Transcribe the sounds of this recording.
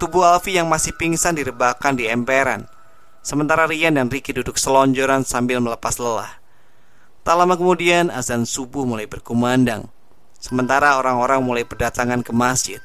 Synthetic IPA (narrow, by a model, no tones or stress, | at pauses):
t̪ubuhalfijaŋmasɪhpiŋsandiɾəbakandiɛmpeɾa̰n | səmənt̪aɾaɾiandanrikidudʊk̚səlɔɲd͡ʒɔɾansambɪlmələpasləla̰h | t̪alamakəmudiana̰zansubʊhmulajbərkumanda̰ŋ | səmənt̪aɾaoɾaŋoɾaŋmulajpərdat̪aŋankəmasd͡ʒɪt̪̚